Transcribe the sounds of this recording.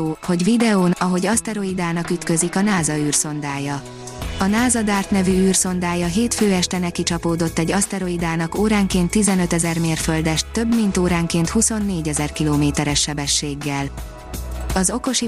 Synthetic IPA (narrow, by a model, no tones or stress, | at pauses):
ho̞ɟʋid̪ɛoːnɒɦo̞ɟɒst̪ɛɾo̞id̪aːnɒkyt̪kø̞zikɒnaːzɒyːrso̞nd̪aːjɒ | ɒnaːzɒd̪aːrt̪nɛvyyːrso̞nd̪aːjɒɦeːt̪føːɛʃt̪ɛnɛkit͡ʃɒpoːd̪o̞t̪ːɛɟːɒst̪ɛɾo̞id̪aːnɒkoːɾaːŋkeːnt̪ːizɛnø̞t̪ɛzɛrmeːrføld̪ɛʃt̪ːø̞bmint̪oːɾaːŋkeːnt̪huso̞nːeːɟɛzɛrkiloːmeːt̪ɛɾɛʃːɛbɛʃːeːɡːɛl | ɒzo̞ko̞ʃi